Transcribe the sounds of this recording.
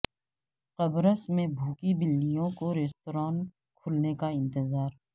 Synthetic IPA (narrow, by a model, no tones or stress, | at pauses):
qɐbɾəsmẽbʱuːkibɪlːijõkoɾeːst̪oːɾaːn | kʰʊlnekaɪ̃nt̪ɪzaːɾ